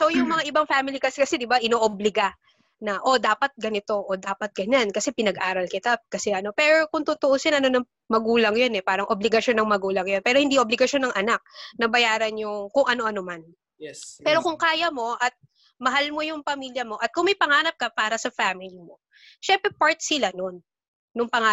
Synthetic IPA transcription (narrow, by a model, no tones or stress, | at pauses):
so̞jʊŋmɐŋaʔɪbaŋfamɪlikɐsɛkɐsɛd̪ɪbaʔɪnoːʔoblɪɡa | nɐʔo̞d̪aːpɐt̪̚ɡɐnɪt̪o̞ʔod̪aːpɐt̪̚ɡ̥ɐɲankɐsɛpɪnɐɡʔaːɾɐlkɪt̪akɐsɛʔɐno̞pɛɾo̞kʊŋt̪ʊt̪oʔosɛnɐno̞nɐ | mɐɡuːlɐŋjonɛpaːɾɐŋʔoblɪɡɐʃo̞nːɐŋmɐɡuːlɐŋjo̞npɛːɾohɪnd̪iʔoblɪɡɐʃo̞nːɐŋʔɐnak̚nɐbɐjaːɾɐnɲʊŋkʊŋʔɐno̞ʔɐno̞man | pɛːɾo̞kʊŋkaːjɐmo̞ʔɐt̪̚ | mɐɦalmo̞jʊŋpɐmiːljɐmo̞ʔɐt̪̚kʊŋmɐjpɐŋaːnɐp̚kɐpaːɾɐsɐfamɪlimo̞ | ʃɛmpɾɛpaɹt̪̚sɪlano̞nː | ʊŋpɐŋa